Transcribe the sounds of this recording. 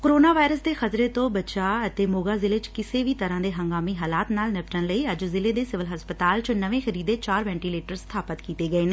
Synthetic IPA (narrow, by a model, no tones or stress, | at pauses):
koɾoːnaːʋaːɪɾəsd̪eːxət̪ɾet̪õːbət͡ʃaːət̪eːmoːɡaːzɪlet͡ʃkɪseʋiːt̪əɾãːd̪eːɦə̃ŋɡaːmiɦaːlaːt̪naːlnɪpʈənləiːəd͡ʒzɪleːd̪eːsɪʋəlɦəspət̪aːlt͡ʃʊnəʋẽːxəɾiːd̪eːt͡ʃaːɾʋɛ̃ːɳʈiːleːʈəɾst̪ʰaːpət̪kiːt̪eːɡəeːneː